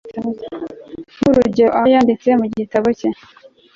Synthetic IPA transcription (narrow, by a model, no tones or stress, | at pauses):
huɾuɟoʔajaːndit͡semuɟitaβoce